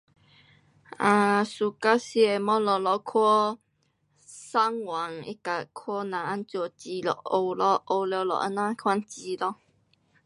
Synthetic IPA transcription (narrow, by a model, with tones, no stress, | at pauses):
a˧su˨ka˦si˦e˨mɔ˦lɔ˨lɔ˧kʰɔ˦ | sa˦ŋwa˨˦ŋḭ˦ka˨kʰwɔ˦nã˨a˦nt͡sjɔ˧˩t͡ɕi˧lɔ̰˨ʔo˧wlɔ˧ʔo˧ljo˧wlɔ̰˨ʔə̰˧˦nã˦kʰwa˦nt͡ɕi˧lɔ˧